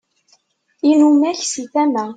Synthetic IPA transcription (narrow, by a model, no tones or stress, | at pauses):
inumæçsiθæmæ